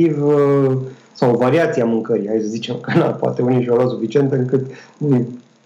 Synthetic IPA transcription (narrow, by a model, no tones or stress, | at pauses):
iv | sawvaɾiat̪siamɨŋkəɾiaisəzit͡ʃe̞mkəna̰poa̰t̪euniʃolas̬ufit͡ʃie̞nt̪ɨŋkɨt̪nuj